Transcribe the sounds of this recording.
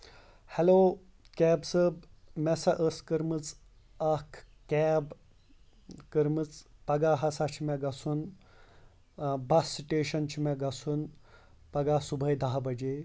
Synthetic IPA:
hɛloː | kɛːbsəbmɛsaʔəskəɾmɨt͡s | akʰ | kɛb | kəɾmɨt͡spɐɡaɦɐsat͡ɕʰimɛɡɐsuːn | bɐsiʈeːʃɐnt͡ɕʰimɛɡɐsuːn | pɐɡasubʱəjd̪aɦabɐd͡ʑe

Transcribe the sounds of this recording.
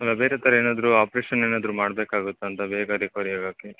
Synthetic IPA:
ɐlːɐbe̞ːɾet̪ʰɐɾɐeːnaːd̪ɐɾuaːpɾeːʃɐneːnaːd̪ɐɾumaːɽbeːkaːɡut̪ːuɐnt̪ɐbeːɡɐd̪ikaːɾiaɡaːke

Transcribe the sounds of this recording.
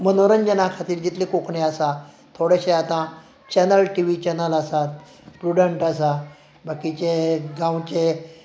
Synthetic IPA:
mənoɾənd͡ʑənakʰat̪iːɾd͡ʑit̪lekokɳeasa | t̪ʰoɽeɕeat̪ã | t͡ɕɛnəlʈiʋit͡ɕɛnəlasat̪ | sʈuɽəɳʈasa | bʱakit͡ɕeɡãwt͡ɕe

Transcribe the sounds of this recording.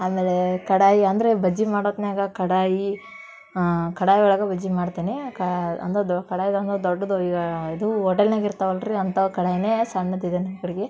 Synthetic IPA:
aːmeːlekɐɽaːjiɐnd̪ɐɾebɐd͡ʒːimaːɽot̪ːneːɡɐkɐɽaːji | kɐɽaːjiɔɭɐɡɐbɐd͡ʒimaːɽt̪iːnikɐɐ̰nt̪ɐkɐɽaːjid̪ɐnd̪ɐd̪ɔɖːɐd̪uiːɡɐid̪uɔʈːelnaːɡiɾt̪ɐʋɐlɾiɐnt̪ɐkɐɽaːjineːsɐɳːɐd̪id̪enɐmɐkɐɽiɡe

